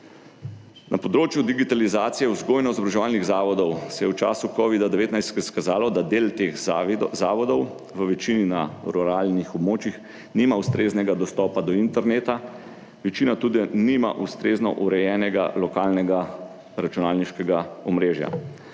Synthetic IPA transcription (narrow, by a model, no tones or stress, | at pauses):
nʔapɔd̪ɾoːt͡ʃjud̪iɡit̪alizaːt̪sijɛuzɡoːjnɔizɔbɾaʒɛʋaːlniɣzaːʋɔd̪ɔwsɛjɛwt͡ʃa̰ːsukɔʋid̪ad̪ɛʋeːt̪najst̪ɛskazaːlɔd̪ad̪eːlt̪eːxzaːʋɔd̪ɔw | ʋəʋɛt͡ʃiːnina̰ɾuɾaːlnixɔbmoːt͡ʃjix | niːmaust̪ɾeːznɛɡad̪ɔst̪ɔːpad̪ɔint̪ɛɾneːt̪a | ʋɛt͡ʃiːnat̪uːd̪inima̰ʔust̪ɾeːznɔ̰ʔuɾɛjɛːnɛɡa̰lɔkaːlnɛɡa | ɾat͡ʃunaːlniʃkɛɡaɔmɾeːʒja̰